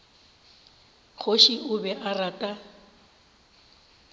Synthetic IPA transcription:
χʰoʃiʔʊbɛʔaratʼa

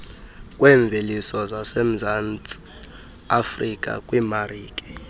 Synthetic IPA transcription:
kʼwɛɱb̪vʱelisɔzasem̩zant͡sʼi | afrikʼa̰kʼwimariːkʼɛ̥

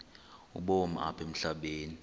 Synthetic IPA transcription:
ṵɓoma̰ʔa̰pʰem̩ɬaɓeːni

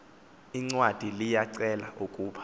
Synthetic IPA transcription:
iŋ͡ǀwad̥ʱilijaǀɛla̰ʔukʼuːɓʰḁ

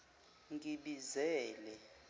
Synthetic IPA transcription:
ŋɡʱʼiɓizɛːlɛ

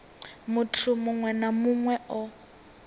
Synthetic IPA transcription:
mʊtʰʊmʊŋwɛnamuŋwɛɔ

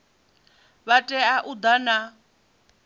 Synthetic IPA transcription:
βatʼɛaʔud̪ana

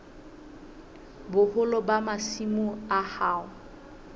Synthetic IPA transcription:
bʊhʊlɔbamasimʊahaːʊ

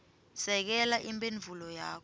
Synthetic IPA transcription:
sɛk̬ɛlaʔimbʱʼenvʱulɔjaːk̬ɔ

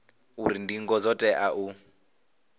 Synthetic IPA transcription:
uɾindiŋɡɔzɔtʼɛʔaʔu

